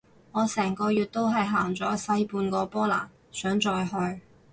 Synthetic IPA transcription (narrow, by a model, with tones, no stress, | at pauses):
ŋɔː˨˧sɛː˨˩ŋkɔː˧jyː˨t̚t̪o˥wɦɐ˨jɦaː˨˩ŋt͡sɔː˨˥sɐ˥jpuː˧nkɔː˧pɔː˥la̰ː˨˩n | sœː˨˥ŋt͡ʃɔː˧jɦɵ˧ɥ